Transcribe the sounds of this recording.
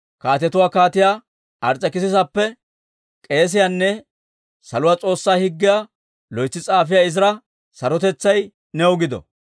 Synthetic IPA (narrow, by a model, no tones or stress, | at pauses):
kaːt̪ɛt̪ʊwaːkaːt̪ɪjaː | ʔɐɾt͡sʼːɐkɪs̬ɪsɐpːɛ | kʼe̞ːs̬ɪjaːnːɛ | sɐlʊwaːt͡sʼo̞ːsːaːhɪɡːɪjaː | lɔjt͡sːɪt͡sʼaːfɪjaːɪzɾɐ | sɐɾɔt̪̬ɛt͡sːɐj | nɛwʊɡɪd̪ɔ̰